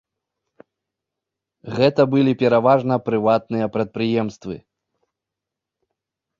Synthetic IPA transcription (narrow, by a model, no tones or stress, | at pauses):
ɣɛt̪ɐbɨlʲipʲɛɾavaʐnɐpɾɨvat̪̚nɨjɐpɾɐt̪̚pɾɨjɛmst̪vɨ̰